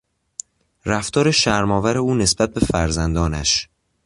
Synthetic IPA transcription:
ræft̪ʰɒːɾeʃæɾmɒːvæɾe̞uːne̞sb̥æt̪̚be̞fæɾzænd̪ɒːnæ̰ʃ

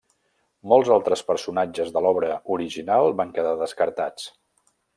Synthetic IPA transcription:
mɔlˠzalˠt̪ɾəspəɾsunad͡ʒəzðəlɔβɾəuɾiʒinalˠbaŋkəðaðəskəɾt̪at͡s

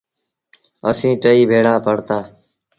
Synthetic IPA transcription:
əsĩːʈəiːbʱeːɽaːpəɽt̪aː

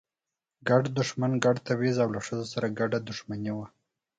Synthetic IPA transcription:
ɡaɖd̪ʊʂmanɡaɖt̪awezawlaʂəzosaɾaɡaɖad̪ʊʂmanewa

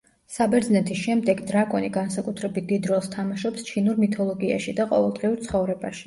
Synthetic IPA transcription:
sabɛɾd̪znɛt̪ʰisʃɛmd̪ɛɡd̪ɾakʼɔniɡansakʼut̪ʰɾɛbit̪̚ʰd̪id̪ɾɔst̪ʰamaʃɔpst͡ʃʰinuɾmit̪ʰɔlˠɔɡia̰ʃid̪aqʼɔ̰vɛlˠd̪ʁiuɾt̪sʰχɔvɾɛbaʃi̥

